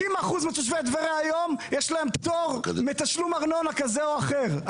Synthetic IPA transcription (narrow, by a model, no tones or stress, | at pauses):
imaχuzmet͡ʃoʃved̪veʁeajomjɛʃlaempt̪oʁmet̪aʃlumaʁno̞nakazeoaχeʁ